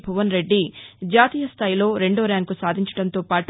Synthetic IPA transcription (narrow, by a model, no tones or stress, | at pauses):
bʱɐʋɐnɾe̞ɖːid͡ʒaːt̪iːjɐst̪ʰaːjilo̞ːɾe̞ɳɖo̞ːɾaːŋkusaːd̪ʱiɲt͡ʃɐ̥ɽɐnt̪o̞ːpaːʈu